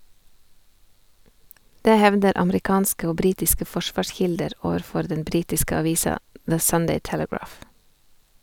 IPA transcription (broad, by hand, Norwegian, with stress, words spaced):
ˈdeː ˈhɛʋdəɾ ɑməɾɪˈkɑːnskə ˈoː ˈbɾiːtɪskə ˈfɔˌʃʋɑːˌʃçɪldəɾ ˈoːʋəɾˌfɔɾ ˈdɛn ˈbɾiːtɪskə ɑˈʋiːsɑ ðə ˈsʌndeɪ ˈtɛləˌɡɹɑːf